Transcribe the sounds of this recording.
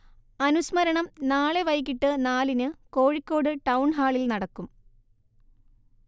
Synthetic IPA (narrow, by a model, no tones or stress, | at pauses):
ɐnusmɐɾɐɳɐmnaːɭe̞ʋɐjk̬ːiʈːɨnaːlinɨko̞ːɻikʲːo̞ːɽɨʈɐwɳɦaːɭilnɐɽɐkːum